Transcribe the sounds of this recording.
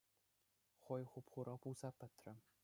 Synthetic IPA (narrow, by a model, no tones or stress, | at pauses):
χojχupχuɾʔɤpuzɑpɘ̆t̪rɘ̆